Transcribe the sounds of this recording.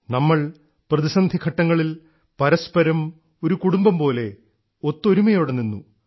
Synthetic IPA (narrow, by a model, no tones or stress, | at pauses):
nɐmːɐɭ | prɐðisɐnd̪ʱikʰɐʈːɐŋːɐɭil | pɐɾɐspɐɾɐm | o̞ɾukuɽumbɐmpo̞ːle̞ | o̞t̪ːoɾumɐjo̞ːɽenːinːṵ